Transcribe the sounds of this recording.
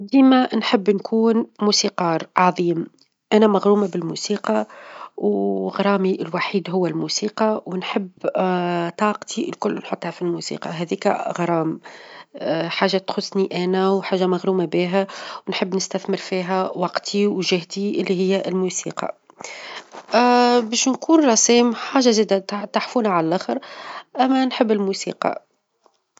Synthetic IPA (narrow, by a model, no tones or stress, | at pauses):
d̪iːmænħɪbːnkʰuːnmuːsiːqɑːɾˤʕɑðˤiːm | ʔænæmaɣɾuːmabɪlmusiːqɑwɣɑɾˤɑːmiʔɪlwaħiːd̪ɦʊwːælmusiːqɑwnħɪbː | t̪ˤɑːqt̪ʰilkʊlːnħot̪ˤːhæfilmusḭːqɑ̰ɦɛðiːkæ̰ɣɑɾˤɑːm | ħaːʒːat̪xʊsˤːniʔænæwħaːʒːamæɣɾuːmabiːɦæwnħɪbːnɪst̪æθmɪɾfiːɦæwɑqt̪ʰiwʒɪhd̪iʔɪlːiɦɪjːæʔɪlmuːsḭːqɑ̰ | bɛːʃnkʰuːnɾˤɑsiːmħaːʒaziːd̪æt̪aħfuːnaʕallʔæxəɾʔæmːænħɪbːɪlmuːsḭːqɑ̰